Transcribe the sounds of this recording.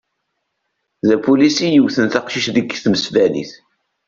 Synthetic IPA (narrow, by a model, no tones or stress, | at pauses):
ðæpulisijəwθənθɑqʃiʃðəɡθməsvælḭθ